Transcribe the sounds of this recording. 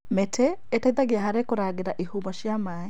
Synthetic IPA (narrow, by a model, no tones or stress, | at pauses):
mɛtʰɛːtaiðaɡiaɦaɾekuɾaɡeɾaʔihumɔʃjamaːɛ